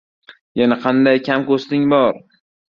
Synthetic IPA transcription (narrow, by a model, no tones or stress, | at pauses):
janaqʰɑnd̪ajkʲʰamkost̪ɪŋbɒɾ